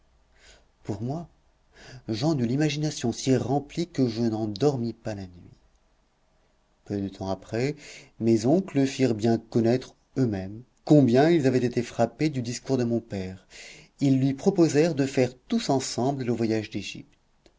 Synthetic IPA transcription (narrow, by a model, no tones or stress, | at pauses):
puʁmwa | ʒɑ̃nylimaʒinasjɔ̃siʁɑ̃plikəʒənɑ̃d̪ɔʁmipalanɥi | pød̪ət̪ʰɑ̃apχɛmezɔ̃klləfiʁbjɛ̃kɔnɛt̪χ | ømɛm | kɔ̃bjɛ̃ilzavɛt̪et̪efχaped̪yd̪iskuʁd̪əmɔ̃pɛʁ | ilːɥipχɔpozɛʁd̪əfɛʁt̪usɑ̃sɑ̃blələvwajaʒd̪eʒḭpt̪